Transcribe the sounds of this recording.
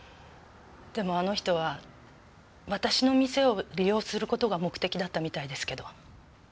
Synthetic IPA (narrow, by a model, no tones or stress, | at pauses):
d̪̥e̞mo̞ano̞çi̥t̪o̞β̞a | βat̪aɕino̞mʲise̞o̞ɾʲijo̞ːsɨɾɯ̟ko̞t̪o̞ɡamo̞kɯ̟̥e̞kʲid̪at̪ːamʲit̪aid̪e̞sɨ̥ke̞d̪o̞